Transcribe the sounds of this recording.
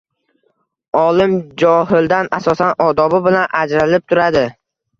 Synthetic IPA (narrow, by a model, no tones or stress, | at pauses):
ɒlˠɪmd͡ʒɒhɪld̪anasɒsanɒd̪ɒbɪbɪlanʔad͡ʒɾalɪp̚t̪ʰʊɾad̪ɪ